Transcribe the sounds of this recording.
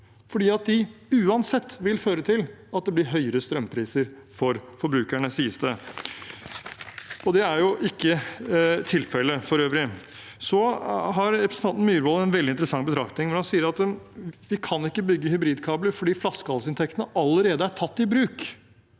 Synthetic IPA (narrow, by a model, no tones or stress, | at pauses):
fɔɖiːɑt̪̚d̪ɪʉːɑnsɛt̪ːʋɪlføːɾət̪ʰɪlɑt̪̚d̪ɛblɪɾɦœʏəɾəst̪ɾœmpʰɾiːsəɾfɔɾfɔɾbɾʉːkæɳəsiːəst̪ə | ɔd̪ɛæɾjʊʔɪkːət̪ʰɪlfɛlːəfɔɾøːʋɾɪ | sɔɦɑɾɾɛpʰɾəsənʰɑnt̪n̩myːɾʋoːlɛnʋɛld̪ɪnt̪əɾəsɑŋbət̪ʰɾɑkt̪nɪŋmɔnhɑnsiːəɾɑt̪ʋɪkʰɑnɪkːəbʏɡːəhʏbɾiːd̪kʰɑːbləɾfɔɖiːflɑskəhɑlsɪnt̪ʰɛkt̪ənəʔɑlːəɾeːd̪əæʈʰɑt̪ːɪbɾʉːk